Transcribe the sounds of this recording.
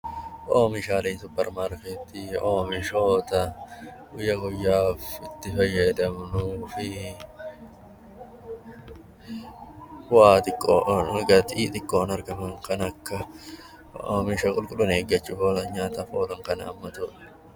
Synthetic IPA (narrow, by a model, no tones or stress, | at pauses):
ʔoːmɪʃaːleːnsʊpːɛɾmaːɾket̪ːioːmɪʃo̞ːt̪ɐʔʊjɐɡʊjːaːfɪt̪ːɪfɐjːɐd̪ɐmnufɪ | waːt̪ʼɪkʼːoːɡɐt̪iːt̪ʼɪkʼːoːnɐɾɡɐmɐŋkɐnɐkːɐ | o̰ːmɪʃɐkʼʊlkʼʊlʊneːɡːɐt͡ʃːʊfoːlɐɲaːt̪ɐfoːlɐŋkɐnɐːmːɐt̪ʊᶑɐ̥